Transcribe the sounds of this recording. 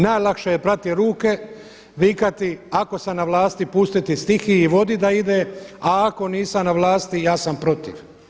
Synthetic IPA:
naːjlˠakʃejepɾat̪iɾuːke̞ | ʋikat̪iako̞sanaʋlˠaːst̪ipust̪it̪ist̪ixiːʋo̞d̪id̪aid̪eaːko̞niːsanaʋlˠaːst̪ijaːsampɾo̞t̪ḭʋ

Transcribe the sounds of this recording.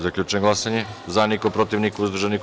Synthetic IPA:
zakʎʲut͡ʃeɡlˠasaɲezanikopɾot̪iʋnikuuzd̪ɾuʒenik

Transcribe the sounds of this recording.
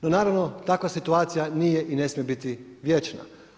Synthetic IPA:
nonaːɾaʋno̞t̪akʋasit̪uaːt̪sijanijeʔine̞smjebit̪iʋje̞t͡ʃna̰

